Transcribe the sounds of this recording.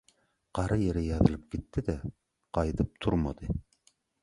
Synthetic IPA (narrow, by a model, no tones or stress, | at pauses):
qʰɑɾʔɑjeɾɪjɑðɨlˠɨp̚kʲet̪ʰːɪd̪ɛ | qʰɑjt̪ʰɨp̚t̪ʰuɾmɑ̰d̪ɨ